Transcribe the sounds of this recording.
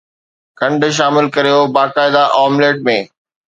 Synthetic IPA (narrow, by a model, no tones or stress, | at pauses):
kʰɐ̃ɳɖʃ̬aːmɪlkɐɾijobaːkaːɪd̪aʔɔːmleːʈ̚mẽː